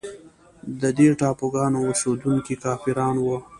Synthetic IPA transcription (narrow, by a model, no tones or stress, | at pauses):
d̪əd̪eʈɑːpoɡɑːnoʊsod̪uŋkikɑːfiɾɑːnwə